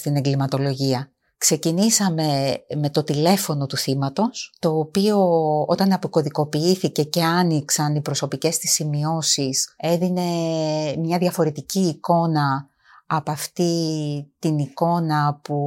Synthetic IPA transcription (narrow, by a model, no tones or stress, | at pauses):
st̪ine̞ŋɡlimɐt̪o̞lo̞ʝiɐ | kse̞cinisɐme̞me̞t̪o̞t̪ile̞fo̞no̞t̪uθimɐt̪o̞st̪o̞ːpio̞o̞̰t̪ɐnɐpiko̞ðiko̞piiθice̞ce̞ɐniksɐnipɾo̞so̞pice̞st̪i̥simio̞sise̞ðine̞mɲɐðʝɐfo̞ɾe̞t̪iciːko̞nɐː | pɐft̪it̪iniko̞nɐpu